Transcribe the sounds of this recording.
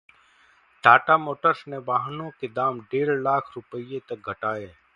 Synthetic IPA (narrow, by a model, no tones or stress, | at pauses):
ɖʱaːʈamoːʈəɾsnebaːɦnõked̪aːmɖeːɾlaːkʰɾʊpəijet̪ɐk̚ɡʱɐʈaːeː